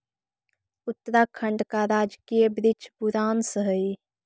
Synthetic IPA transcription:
ut̪ːəɾakʰəɳɖkaɾad͡ʒkijəbɾit͡ʃʰbuɾansəɦəj

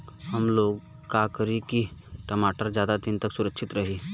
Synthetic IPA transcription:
hɐmloːɡ | kaːkəɾikiʈɐmaːʈəɾd͡ʒjaːd̪ad̪ɪnt̪əksʊɾəkʃɪt̪ɾɐɦeː

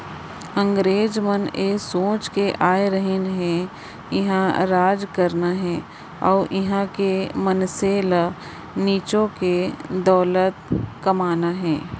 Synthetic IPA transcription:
ə̃ŋɡɾeːd͡ʒməneːsõːt͡ʃkeʔaːeɾəɦɪnɦɛ̃ | jɪɦãɾaːd͡ʒkɐɾnaɦɛ̃ː | ɔ̰ːʔɪɦãkemɐnselə | niːt͡ʃõked̪ɔːlət̪̚kɐmaːnaɦɛ̃ː

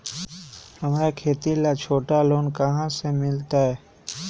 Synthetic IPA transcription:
həmɾakʰeːt̪ilat͡ʃʰoːʈaloːnkəɦãsemɪlt̪aɦɛː

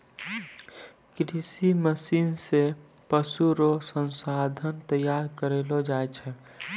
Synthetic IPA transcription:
kɾisiməsiːnse | pəsuɾosə̃nsaːd̪ʱənt̪əjaːɾkəɾelod͡ʒaːet͡ʃʰɛ

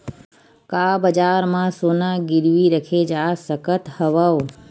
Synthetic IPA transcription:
kabəd͡ʒaɾmãsonaɡɪɾʋiɾəkʰed͡ʒasəkət̪həʋəʋ

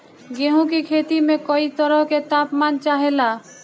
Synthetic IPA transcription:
ɡeɦũkikʰeːt̪imẽkɔit̪əɾəɦket̪aːpmaːnt͡ʃaːɦela

